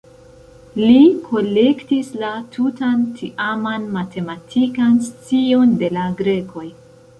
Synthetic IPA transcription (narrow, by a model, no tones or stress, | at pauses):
likʰo̞le̞ktislatʰutantʰiʔamanmatʰe̞matʰikanst͡sio̞nde̞laɡɾe̞kʰo̞j